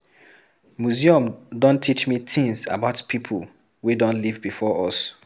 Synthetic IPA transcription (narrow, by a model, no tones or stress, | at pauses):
muziɔ̃mdɔ̃ntʰit͡ʃmit̪ʰĩŋsa̰baʊtpʰipʰəl | wedɔ̃nlivbifɔʔɔs